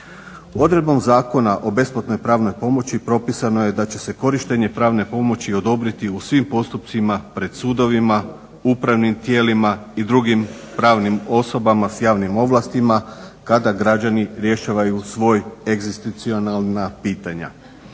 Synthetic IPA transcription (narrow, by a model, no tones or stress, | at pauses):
o̞d̪ɾe̞d̪bo̞mzaːko̞naʔo̞be̞splat̪no̞jpɾaːʋno̞jpo̞mo̞t͡ɕipɾo̞pisanoje̞d̪at͡ɕe̞se̞ko̞ɾiʃt̪e̞ɲe̞pɾaːʋne̞po̞mo̞t͡ɕio̞d̪o̞bɾit̪iusʋimpo̞st̪up̚t̪simapɾe̞d̪̥suːd̪o̞ʋima | upɾaʋnimt̪je̞ːlimaid̪ɾuɡim | pɾaːʋnimo̞so̞bamasjaːʋnimo̞ʋlast̪imakad̪aɡɾad͡ʑaniɾje̞ʃaːʋajusʋo̞ːjeɡzist̪it̪sio̞nalˠnapiːt̪aɲa̰